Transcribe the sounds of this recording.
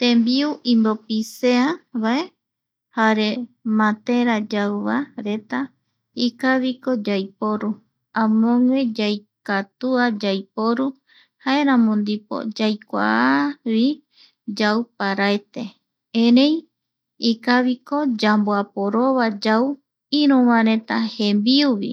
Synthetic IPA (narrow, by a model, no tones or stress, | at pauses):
t̪ẽmbiuʔĩmbopiseaβae | haɾe̞mãt̪eɾad͡ʒawβaɾe̞t̪a | ikaβikod͡ʒajpoɾu | ãmõŋed͡ʒajkat̪uad͡ʒajpoɾu | haeɾãmõnd̪ipo̰d͡ʒajkʷa̰aβi | d͡ʒawpaɾaet̪e | eɾẽj | ikaβikod͡ʒamboapoɾoβad͡ʒau | iɾũβãɾet̪ahembiuβḭ